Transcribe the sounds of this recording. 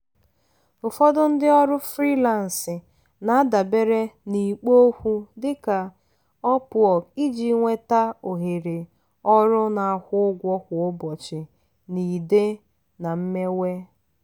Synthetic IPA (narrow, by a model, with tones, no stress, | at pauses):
ʊ˨fɔ˦dʊ˦n̩˦dɪ˦ɔ˦ɾʊ˦fɾi˦la˨n̩˨sɪ˨ | na˦da˨be˦ɾe˦ni˨k͡po˦hʷu˦dɪ˦ka˨ | ɔ˦pʊ˨ɔ˨ki˦d͡ʒi˦ŋʷe˦ta˦o˨ɦe˨ɾe˨ | ɔ˦ɾʊ˦na˨a˨hʷʊ˦ʊ˦ɡʷɔ˦kʊ˨ʊ˦bɔ˨t͡ʃɪ˨ | ni˨de˦ | na˨m̩˦me˦we˦